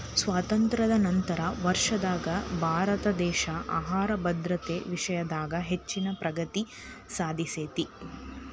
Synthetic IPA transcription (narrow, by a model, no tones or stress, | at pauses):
sʋaːt̪ɐnt̪ɾɐd̪ɐnɐnt̪ɐɾɐʋɐɾʂɐd̪aːɡɐbʱaːɾɐt̪ɐd̪ɛːʃɐʔa̰ːɦaːɾɐbɐd̪ɾɐt̪eːʋiʂɐjɐd̪aːɡɐɦet͡ʃːinɐpɾʔɐɡɐt̪i | saːd̪ʱiseːt̪i